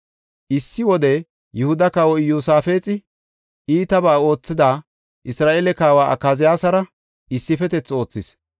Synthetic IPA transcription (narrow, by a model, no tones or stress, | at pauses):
ʔɪsːɪwɔd̪ɛ | jʊhʊd̪ɐkaːwɔjuːsaːfe̞ːt͡sʼɪ | iːt̪ɐbaːo̞ːt͡sːɪd̪aː | ʔɪsɾaːʔeːlɛkaːwaːʔɐ̰kːaːzɪjaːsɐɾɐ | ɪsːɪfɛt̪ɛt͡sːo̞ːt͡sːɪs